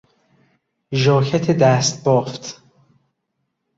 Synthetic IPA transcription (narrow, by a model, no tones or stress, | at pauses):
ʒɒːkʰæt̪ʰed̪æːst̪̚bɒːft̪